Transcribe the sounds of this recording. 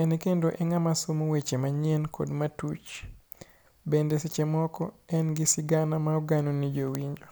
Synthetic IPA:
ɛnɛkendoʔɛŋamasomowet͡ʃemaɲɪɛnkʰo̰dmatut͡ʃ | bendesit͡ʃɛmɔkɔɛnɡisiɡanamaɔɡanonid͡ʒowiɲd͡ʒo

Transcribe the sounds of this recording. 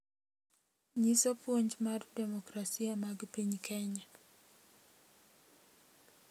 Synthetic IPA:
ɲisɔpwoɲd͡ʒmardɛmɔkɾasiamaɡpiɲkʰɛɲa

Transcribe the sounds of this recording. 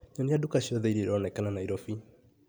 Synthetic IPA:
ɲɔniadukaɕiɔðɛiɾeɾɔnɛkananaiɾɔfi

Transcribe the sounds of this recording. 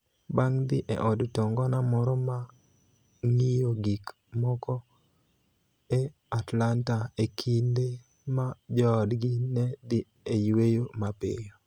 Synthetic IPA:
baŋd̪ɪʔɛ̰ʔɔdtɔŋɡɔnamɔɾɔma | ŋijoɡik | mɔkɔ | e | atlantaekʰinde | mad͡ʒɔːdɡinɛd̪ɪ | ejwejomapḛjo

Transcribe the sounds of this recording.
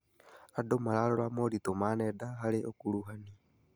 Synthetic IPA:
adomalaɾɔɾamoɾitomanɛdaɦaɾeʔokuɾuɦani

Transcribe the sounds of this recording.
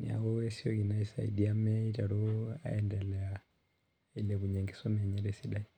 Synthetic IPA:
nḭa̰wɔwɛsiɔkinaisa̰ḭdiamɛitaɾua̰ɛndɛlɛa | ilɛβuɲɛŋɡɛsɔmɛɲɛɾɛsiɗai

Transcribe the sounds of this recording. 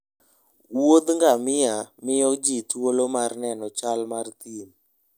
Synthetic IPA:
wod̪ŋɡamɪjamɪjɔd͡ʒitwolomarnɛnɔt͡ʃalmart̪in

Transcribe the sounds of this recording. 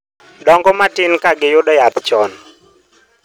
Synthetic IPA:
dɔŋɡɔmatɪnkaɡɪjʊdɔjapt͡ʃɔn

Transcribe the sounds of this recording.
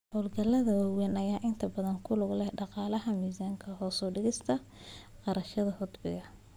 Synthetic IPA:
hɔːlɡɐlɐðɐwawɛnɐjaːʔɪnt̪ʰɐbɐðɐŋkʰʊlʊɡlɛɖɑqɑːlɐɦɐmiːzaːŋkʰɐɦɔːsɔːɖɪɣɪst̪ʰɐ | qɑɾɐʃɐðɐhʊd̪bɪ̰ɣɐ

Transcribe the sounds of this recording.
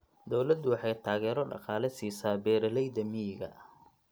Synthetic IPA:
d̪ɔwlɐd̪ːʊwɑħɑjt̪ʰaːɣɛːɾɔɖɑ̰qɑːlɛsiːsaːbɛːɾɐlɛjd̪ɐmiɡɐ̰

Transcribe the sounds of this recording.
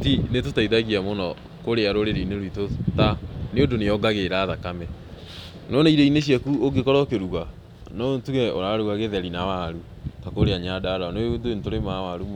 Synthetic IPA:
tinetotaiðaɣiamonɔ | koɾeaɾoɾeɾeineɾwitotaneodonejɔɡaɣeɾaːðakamɛ | nɔneiɾeineɕ̬iɛkuoɡekɔɾɔkeɾuɣa | nɔntuɣɛoɾaɾuɣaɣeðɛɾinawaɾu | takoɾeaɲadaɾanondentoɾemawaɾum

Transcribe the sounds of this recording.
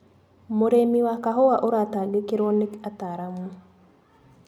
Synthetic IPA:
moɾemiwakaɦɔwaʔoɾataːlekeɾɔnekataɾamu

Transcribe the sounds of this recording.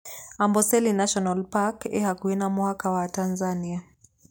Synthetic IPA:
ambɔsɛlinaʃɔnalpakɛhakuɛnamuhakawatanzania

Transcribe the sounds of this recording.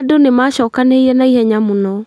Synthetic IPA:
donemaɕɔkaneiɛnaihɛɲamonɔ

